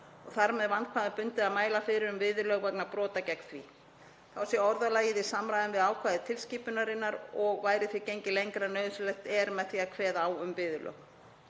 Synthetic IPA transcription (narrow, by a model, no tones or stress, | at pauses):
ɔɣθaɾmɛðvant̪̚kʰaðɪpʏnt̪ɪðaðmaːjlafɪɾɪɾʏmvɪːðʏlœːɣvɛknapɾɔːt̪acɛkn̥θvḭ | θawsjɛɔɾðalaːjɪðɪsamɾajðɪnvɪðaːwkʰvaːjðɪt̪ʰɪlsciːpʏnaɾɪnːaɾɔɣvaːjɾɪθvicejɲcɪlejŋkɾanœːɥðʏslɛxt̪ɛɾmɛðθiakʰvɛːðaːwʏmvɪːðʏlʔœ̰ːɣ